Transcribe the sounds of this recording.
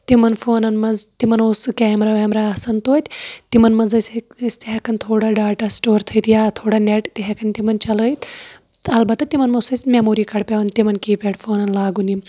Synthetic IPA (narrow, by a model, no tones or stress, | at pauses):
t̪imɐnfʰoːnɐnmɐnzt̪imɐnoːsɨkɛːmɾaːʋeːmɾaːɐsɐnt̪oːt̪ʲt̪imɐnmɐnzɐsʲsʲt̪iɦekɐnt̪ʰoːɽaːɖaːʈaːsʈoːɾt̪ʰɐit̪jaːt̪ʰoːɽaːneʈt̪iɦekʰɐnt̪imɐnt͡ʃɐlɐjt̪ | ɐlbɐt̪ːɐt̪imɐnmɐsɐsʲmemoːɾiːkɐɽpʲeʋɐnt̪imɐnkiːpʲeːɽfoːnɐnlaːɡuni